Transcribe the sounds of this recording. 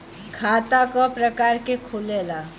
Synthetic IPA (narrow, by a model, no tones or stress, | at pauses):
kʰat̪akɔpɾəkaɾkekʰulela